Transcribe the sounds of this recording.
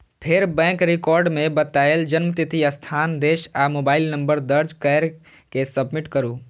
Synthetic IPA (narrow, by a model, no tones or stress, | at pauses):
pʰeɾbɛ̃ːkɾɪkɔːɾɖmẽbət̪aːeld͡ʒənmt̪it̪ʰiəst̪ʰaːnd̪eːʃamoːbaːɪlnəmbəɾd̪əɾd͡ʒkɛɾ | kesəbmiʈkəɾuː